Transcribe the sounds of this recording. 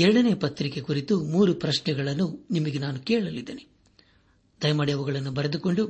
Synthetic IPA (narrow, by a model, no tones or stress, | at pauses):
ɛɾɐɽɐne̞ːpɐt̪ɾike̞kuɾit̪umuːɾupɾɐʃnɛɡɐɭɐnːunimɐɡenaːnukɛːɭɐlid̪ːeːne | d̪̥ɐjɐmaːɽiɐʋɐɡɐɭɐnːubɐɾed̪uko̞ɳɖu